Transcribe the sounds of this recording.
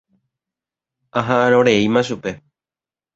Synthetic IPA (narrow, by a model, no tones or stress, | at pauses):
aɦãʔãɾ̃õɾe̞imãʃupe̞